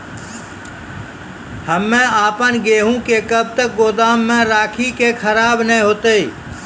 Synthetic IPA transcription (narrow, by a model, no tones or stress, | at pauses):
həmẽaːpənɡeːɦũːkeːkəb̚t̪əɡoːd̪aːmːẽːɾaːkʰiːkeːkʰəɾaːbnɛɦoːt̪eː